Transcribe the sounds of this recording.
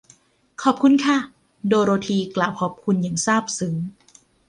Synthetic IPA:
kʰɔː˨˩p̚kʰu˧nkʰa˥˩ | doː˧ɾoː˧t̪ʰiː˧klaː˨˩wkʰɔː˨˩p̚kʰu˧nja˨˩ŋsaː˥˩p̚sɯː˩˦m

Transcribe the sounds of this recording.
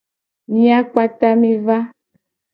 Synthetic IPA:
mĩ˦a˦k͡pa˦t̪a˦mĩ˦va˦

